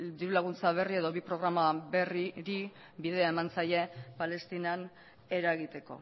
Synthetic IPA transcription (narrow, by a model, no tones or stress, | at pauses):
d̪iɾulaɣ̞unt͡saβ̞e̞rie̞ðo̞βipɾo̞ɣɾamaβe̞riɾi | biðe̞ae̞mant͡saje̞pale̞st̪inan | e̞ɾaeɣit̪e̞ko̞̰